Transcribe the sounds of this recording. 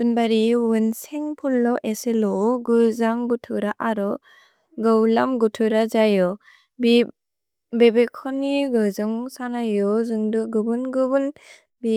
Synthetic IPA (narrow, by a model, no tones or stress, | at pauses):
ɯnbaɾiwɯnseŋpʰulːɔʔeselɔɡɯzaŋɡɯtʰɯɾaʔaɾɔ | ɡɯwlamɡutʰɯɾazajɔ | bi | bebekʰɔniɡɯzɯŋsanajɔzɯŋdɯɡɯbɯnɡɯbɯn | bi